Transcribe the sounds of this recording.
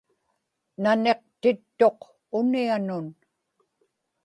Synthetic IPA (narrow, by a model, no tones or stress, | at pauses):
nane̞q̚t̪ɪt̪ːo̞q | ʊnianʊn